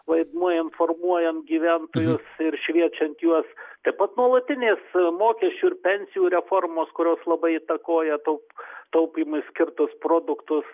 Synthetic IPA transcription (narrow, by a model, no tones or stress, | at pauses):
ʋɐɪd̪muɔjɪntformuɔjɛnt̪ɡʲiːʋʲænt̪oːjʊsɪrʃʲʋʲiɛt͡ʃʲɛnt̪juɔst̪ɐɪpɐt̪nuɔlˠɐt̪ʲɪnʲeːsmoːkʲɛsʲt͡ʃʲuːɪɾpʲɛnʲsʲɪjuːɾʲɛformoːskʊɾʲoːslˠɐbɐɪɪt̪ɐkoːjɛt̪oʊpt̪ɐʊpʲiːmʊɪsʲkʲɪrt̪ʊspɾoːd̪ʊkt̪ʊs